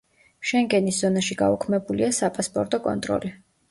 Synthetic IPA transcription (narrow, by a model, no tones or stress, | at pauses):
ʃɛŋɡɛnisz̥ɔnaʃiɡa̰ukʰmɛbuliasapʼaspʼɔɾt̪ʼɔkʼɔ̰nt̪ʼɾɔ̰li